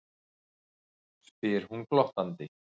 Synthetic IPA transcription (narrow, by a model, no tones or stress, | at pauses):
spɪɾ̥hunklɔht̪ant̪ɪ